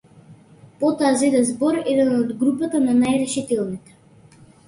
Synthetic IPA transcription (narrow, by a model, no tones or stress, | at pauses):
pɔt̪ɔazɛd̪ɛnzbɔɾɛd̪ɛnɔd̪ɡɾupat̪ananajɾɛʃit̪ɛlˠnit̪ɛ̥